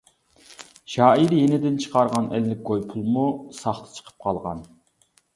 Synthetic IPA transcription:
ʃɑːiɾjenɪd̪ɪnt͡ʃʰə̥qʰɑɾʁɑnɛ̰lːɪk̚ʲɡojpʰulˠmusɑχt̪ʰə̥t͡ʃʰə̥qʰə̥p̚qʰɑlˠʁɑ̰n

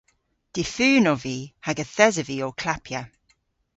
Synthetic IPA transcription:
d̥ɪfʉːnɔvihaɡəθɛzəviɔkʰl̥apʰjə

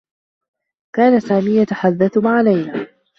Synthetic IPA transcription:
kaːnasaːmiːjat̪aħad̪ːaθʊmaʕalajnaː

